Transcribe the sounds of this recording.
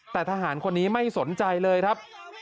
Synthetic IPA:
t̪ɛː˨˩t̪ʰa˧ɦaː˩˦nkʰo˧nːiː˦˥ma˥˩jso˩˦nt͡ɕa˧jlɤː˧jkʰa˦˥p̚

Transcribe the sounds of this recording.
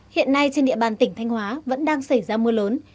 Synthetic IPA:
hḭ˧˨ənːa˧jt͡ɕe˧nɗḭ˧˨əɓaː˨˩nt̪ï˧˩ŋ̟t̪ʰa˧jŋ̟hwaː˨˦və̰˧˥nɗaː˧ŋsa˧˩jzaː˧mɨ˧ələː˨˦n

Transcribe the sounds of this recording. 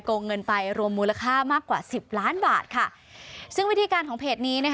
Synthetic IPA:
koː˧ŋːɤ˧npa˧jɾu˧əmːuː˧la˧kʰaː˥˩maː˥˩kːwaː˨˩si˨˩p̚laː˦˥nbaː˨˩t̪̚kʰa˥˩ | sɯ˥˩ŋwi˦˥t̪ʰiː˧kaː˧nkʰɔː˩˦pʰeː˨˩t̪̚niː˦˥na˥k

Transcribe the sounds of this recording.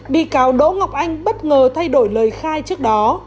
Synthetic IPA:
ɓḭ˧˨kaː˨˦wɗo̰˧˥ŋa˨˩wk͡p̚ʔa˧jŋ̟ɓə˦˥t̚ŋəː˨˩t̪ʰa˧jɗo˧˩jləː˨˩jxaː˧jt͡ɕɨ˦˥ək̚ɗɔ˨˦

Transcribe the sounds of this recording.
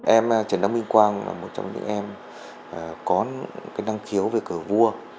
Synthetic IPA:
ʔɛ˧m˨t͡ɕə˨˩nːə˧wŋ͡mmi˧ŋ̟kwaː˧nla̰ː˨˩mo˨˩t̚t͡ɕɔ̰˧wŋ͡mɲɨ̰˧˥ŋ̟ʔɛ˧m | ʔəː˨˩kɔ˨˦nkaː˨˦jna˧ŋxi˨˦ə˦wve˨˩kɨ˧˩əvu˧ə

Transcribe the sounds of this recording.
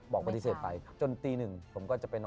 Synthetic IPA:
bɔː˨˩k̚pa˧t̪i˧˥seː˨˩t̪̚pa̰˧jt͡ɕo˧nt̪iː˧nɯ˨˩ŋpʰo˩˦mkɔː˥˩t͡ɕa˨˩pe˧nː˧

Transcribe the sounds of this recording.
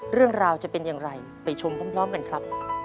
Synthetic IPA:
ɾɯ˥˩əŋɾaː˧wt͡ɕa˨˩ʔpe˧njaː˨˩ŋɾa˧j | pa˨˧˩jt͡ɕʰo˧mkʰɔː˦˥˩mpʰɾɔː˦˥mka˧nkʰɾa˦˥p̚

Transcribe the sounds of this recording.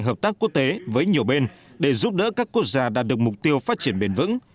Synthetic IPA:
ŋɦəː˨˩p̚t̪aː˦˥kːu˦˥ək̚t̪e˨˦vəː˨˦jɲi˨˩əwɓe˧nɗe˧˩zu˦˥p̚ɗə̰ː˧˥kaː˦˥kːu˦˥ək̚zaː˧ɗaː˨˩t̚ɗək̚mʊ˨˩k͡p̚t̪i˧əwfaː˦˥t̚t͡ɕi˧˩ənɓe˧˩nvɨ̰˧˥ŋ

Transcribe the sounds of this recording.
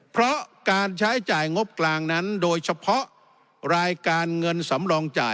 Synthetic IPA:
pʰɾɔ˦˥ʔkaː˧nt͡ɕʰa˦˥jt͡ɕaː˨˩jŋo˦˥p̚klaː˧ŋna˦˥ndoː˧jsʰa˧pʰɔ˦˥ʔ | ɾaː˧jkaː˧nŋɤ˧nsa˩˦mdɔː˧ŋt͡ɕa̰ː˨˩

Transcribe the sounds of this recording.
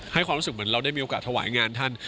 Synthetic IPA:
ha˥˩jʰkwaː˧mɾu˦˥s̚mɯ˩˦ə˦ɾa˧wda˥˩ji˧ʔo˧kaː˨˩t̪ʰa˧wa̰ː˩˦jŋaː˧nt̪ʰa˥˩n

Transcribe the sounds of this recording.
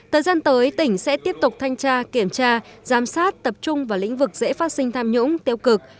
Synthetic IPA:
t̪ʰəː˨˩jzaː˧nt̪əː˨˦jt̪ï˧˩ŋ̟sɛ̰˧˥t̪i˦˥əp̚t̪ʊ˨˩k͡p̚t̪ʰa˧jŋ̟t͡ɕaː˧ki˧˩əmt͡ɕaː˧zaː˨˦msaː˦˥t̚t̪ə˨˩p̚t͡ɕʊ˧ŋ͡mvaː˨˩lḭ˧˥ŋ̟vɨ˨˩k̚zḛ˧˥faː˦˥t̚sï˧ŋ̟t̪ʰaː˧mɲʊ̰˧˥ŋ͡mt̪i˧əwkɨ˨˩k̚

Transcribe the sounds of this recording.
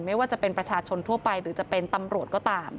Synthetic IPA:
ma˥˩jwaː˥˩t͡ɕa˨˩pe˧npɾa˧t͡ɕʰaː˧t͡ɕʰo˧nt̪ʰu˥˩ɐpa˧jɾɯː˩˦t͡ɕa˨˩pe˧nt̪a˧mɾu˨˩ət̪̚kɔː˥˩t̪aː˧m

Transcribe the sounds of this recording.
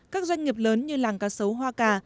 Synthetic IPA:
kaː˦˥k̚zwa˧ŋ̟ŋi˨˩əp̚ləː˨˦nɲɨ˧laː˨˩ŋkaː˧˩sə˨˦wɦwaː˧kaː˧˩

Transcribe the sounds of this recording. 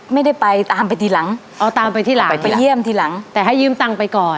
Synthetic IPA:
ma˥˩jda˥˩jpa˧jt̪aː˧mpa˧jt̪ʰiː˧˩la˩˦ŋ | ʔɔː˧˩t̪aː˧mpa˧jt̪ʰiː˥˩la˦˧a˧ji˥˩əmt̪ʰiː˥˩la˩˦ŋt̪ɛː˨˩ɦa˥˩jːɯː˥˩˨mt̪a˧ŋpa˧jkɔː˨˩

